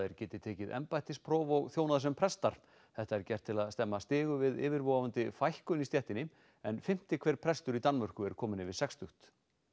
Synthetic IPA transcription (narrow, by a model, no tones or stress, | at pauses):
ɛɾcɛːt̪ɪt̪ʰeːcɪðɛ̰mpajt̪ɪspʰɾɔːvɔɣθjownaðsɛmpʰɾɛst̪aɾ̥ | θɛht̪aɛɾcɛr̥t̪ʰːɪlaðst̪ɛmːast̪ɪːɣʏvɪðɪ̰ːvɪɾvoːwavant̪ɪfajhkʏnist̪jɛht̪ɪnɪ | ɛnfɪm̥t̪ɪkʰvɛːɾ̥pʰɾɛst̪ʏɾit̪anːmœr̥kʏɛɾ̥kʰɔːmɪnɪvɪðsɛkst̪ʏxt̪